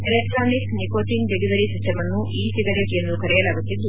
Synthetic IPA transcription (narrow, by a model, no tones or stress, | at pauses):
elek̚ʈɾoːniknikoːʈiŋɡɖeɡiʋɐɾisisʈʰɐmɐnːuʔiːsiɡɐɾɐʈiend̪ukɐɾijɐlɐʋɐt̪ːind̪u